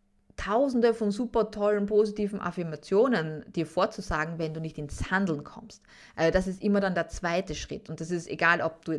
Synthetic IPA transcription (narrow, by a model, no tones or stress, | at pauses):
tʰaʊzn̩dəfɔnzuːpɐtʰɔlənpoːzitiːvn̩ʔa̰fɪɐmat͡sjoːnənd̥iːɐfoːɐt͡suzaːɡŋ̩vɛnduːnɪçtɪnshandl̩nkʰɔ̰mst | ʔʔalzodas̬ɪstʔɪmɐɾandeːɐt͡sv̥aɪtəʃʁ̥ɪ̰tʊnt̚d̥as̬ɪstḛɡaːlʔɔp̚d̥uː